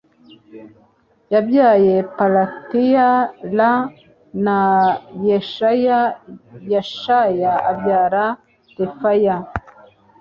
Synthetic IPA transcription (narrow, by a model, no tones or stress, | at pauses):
jabjaːjepalatijala | najeʃajajaʃajaːbɟaːɾa | tefaja